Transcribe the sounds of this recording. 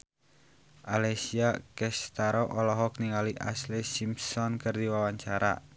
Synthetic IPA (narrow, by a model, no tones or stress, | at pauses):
ʔalesiakɛst̪aɾɔʔɔlɔɦɔk̚niŋaliʔa̰slesimsɔnkərd̪iwawaɲt͡ʃaɾa̰